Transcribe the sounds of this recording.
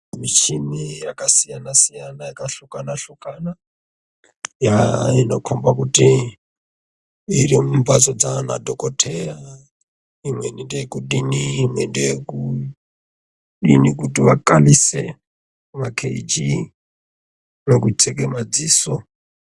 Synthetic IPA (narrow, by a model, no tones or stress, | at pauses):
mit͡ʃimijakasijanasijanajakaɬukanaɬukana | jainokʰombakuti | irimumbat͡sod͡zana̰dʱokotʰera | imwenindejekuɗiniːmwendejeku | ɗinikutiʋakalise | makʰed͡ʒi | nokut͡sekemad͡ziːso